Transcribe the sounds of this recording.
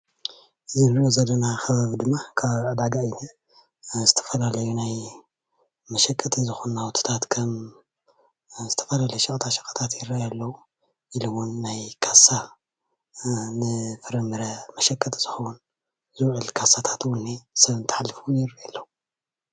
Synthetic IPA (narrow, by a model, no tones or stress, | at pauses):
ʔɨzinɨɾiʔozɐlːɐnaxɐβaβid̪ɨmːakʰaβʕad̪aɡajinɐ | zɨt̪ʰɐ̥fɐlalɐjunaj | mɐʃɐkʼːɐt̪ʰizɨxunawt̪ʰɨ̥t̪ʰat̪kʰɐm | zɨt̪ʰɐ̥fɐlalɐjuʃɐkʼt̪ʰaʃɐ̥kʼɐ̥t̪ʰat̪jɪɾːɐjalːɐwu | ʔilomunːajkʰasa | nɨfɨɾɐmɨɾɐmɐʃɐkʼːɐt̪ʰz̥ɨxɐwun | zɨwʕɨlkʰasat̪ʰḁt̪wɔnːesɐβɨnt̪ʰɨ̥ħalːɨfujɪɾɐjalːɐwu